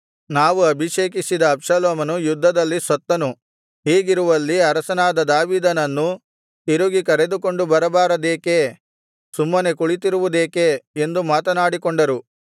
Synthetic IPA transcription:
naːʋuɐbʱiʂeːk̬isid̪ɐːpʂɐloːmɐnujud̪ʱːɐd̪ɐlːisʋɐt̪ːɐnu | ɦiːɡiɾuʋɐlːiɐɾɐsɐnaːd̪ɐd̪aːʋiːd̪ɐnɐnːu | t̪iɾuɡikɐɾe̞d̪uko̞ɳɖubɐɾɐbaːɾɐd̪eːke̞ | sumːɐne̞kuɭit̪̬iɾuʋud̪eːkeːnd̪umaːt̪ɐnaːɽikoɳɖɐɾu

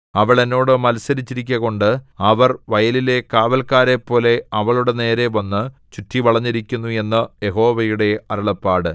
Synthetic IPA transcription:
ɐʋɐɭenːo̞ːɽɨmɐlsɐɾit͡ɕːiɾikʲːɐɣo̞ɳɖɨɐʋɐrʋɐjɐlile̞kaːʋɐlkaːɾe̞pːo̞ːle̞ɐʋɐɭuɽe̞ne̞ːɾe̞ʋɐnːɨt͡ɕutʰːiʋɐɭɐɲːiɾikʲːunːue̞nːɐje̞ɦo̞ːʋɐjuɽe̞ɐɾɐɭɐpːaːɽɨ

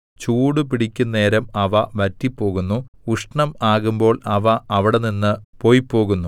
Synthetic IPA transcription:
t͡ɕuːɽupiɽikʲːunːeːɾɐmɐʋɐʋɐtːipːo̞ːɣunːuuʂɳɐmaːɣumbo̞ːɭɐʋɐʔɐʋiɽeninːɨpo̞ːjpːo̞ːɣunːu

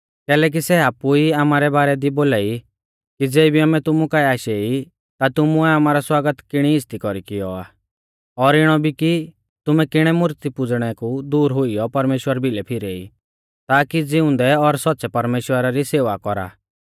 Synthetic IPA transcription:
kɛːlɛːk̬isɛaːpuiamaːɾɛbaːɾɛd̪iboːlaːi | kid͡zeːibʱiɐmɛt̪ʊmukaiaːʃei | t̪at̪ʊmuɛamaːɾɔswaːɡət̪kɪɽ̃iɪst̪ikɔɾikɪjɔa̰ː | ɔɾɪɽ̃ɔbʱiki | t̪ʊmɛkɪɽ̃ɛmʊɾt̪ipʊd͡zɽ̃ɛkud̪uːɾɦʊijɔpɐɾmeːʃwəɾbʱɪlɛpʰɪɾeḭ | t̪aːkid͡zɪʊ̃nd̪ɛɔɾsɔt̪ːsɛpɐɾmeːʃwəɾaɾiseːʋakɔɾa̰ː

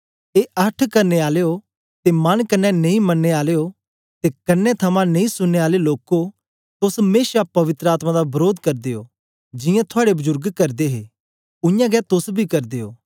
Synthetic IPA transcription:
eʔɐʈʰkɐɾneaːleːo | t̪emɐnkɐnːɛnẽĩmɐnːeaːleo | t̪ekɐnːet̪ʰɐmãnẽĩsʊnːeaːleloːko | t̪ʊsmeːʃapɐʋɪt̪ɾəaːt̪mãd̪abɐɾoːd̪kɐɾd̪eo̰ː | d͡ʒɪ̃jãt̪ʰʊaːɽebʊzʊɾɡkɐɾd̪eɦe | ʊjãɡɛt̪ʊsbʱikɐɾd̪eːo̰ː

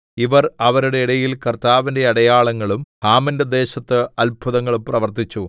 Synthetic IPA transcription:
iʋɐrɐʋɐɾuɽe̞iɽɐjilkɐrt̪aːʋinde̞ɐɽɐjaːɭɐŋːɐɭumhaːmɐndɐd̪e̞ːɕɐt̪ːɨɐlbʱuðɐŋːɐɭumprɐʋɐrt̪it͡ɕːu

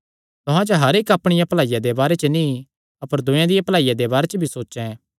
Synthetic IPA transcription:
t̪ʊɦãt͡ʃəɦɐɾeːkɐpɽ̃ɪjãplaːijad̪ebaːɾet͡ʃəni | ɐpəɾd̪ʊ̃jãd̪ɪjapɐlaːijad̪ebaːɾet͡ʃəbʱisoːʃɛ̃

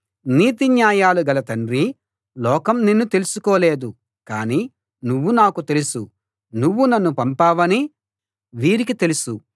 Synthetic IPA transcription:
niːt̪̬injaːjaːluɡɐlɐt̪ɐnrɾi | lɔːkɐmnenːut̪e̞lusukɔːle̞ːd̪u | kaːniː | nuʋːunaːkut̪e̞lusu | nuʋːunɐnːupɐmpaːʋɐni | ʋiːɾikit̪elusu

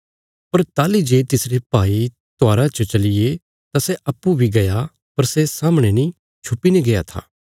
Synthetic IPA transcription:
pɐɾt̪aːlid͡ʒeːt̪ɪsɾepaːi | t̪oaːɾat͡ʃot͡ʃɐlɪje | t̪aseʔɐpːubʱiɡɐja | pɐɾsesaːməɽ̃enĩ | t͡ʃʰʊpːineɡejat̪ʰa̰ː

